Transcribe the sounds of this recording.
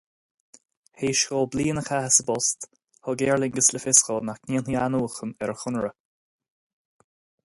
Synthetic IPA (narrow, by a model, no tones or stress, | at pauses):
heːʃkolbliːənəkʰahɪsəbɔst̪ | hɔɡɛːɹlɪŋɡəsləfɪskənaxniənianuːxənɛɹəxʊnɹə